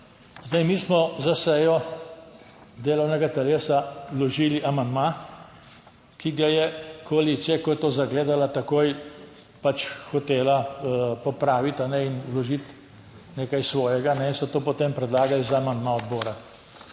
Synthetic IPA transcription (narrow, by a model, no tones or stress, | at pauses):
zd̪ajmiːsmɔzasɛjɔ | d̪eːlɔwnɛɡat̪ɛleːsalɔʒiːliʔamand̪ma | kiɡajɛkɔalit̪sijakɔjɛt̪oːzaɡleːd̪alat̪akoːj | pat͡ʃxɔt̪eːlapɔpɾaːʋit̪anɛinulɔʒit̪ | neːkajsʋɔːjɛɡanɛinsɔt̪oːpɔt̪eːmpɾɛd̪laːɡalizaːmand̪maɔd̪bɔːɾa